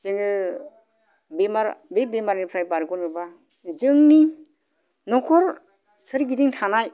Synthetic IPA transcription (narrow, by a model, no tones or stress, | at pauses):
seŋɯ | bemaɾbebemaɾnipʰɾajpaɾkɔnɯba | zɯŋni | nɔkʰɔɾ | sɯɾɡidiŋtʰanaj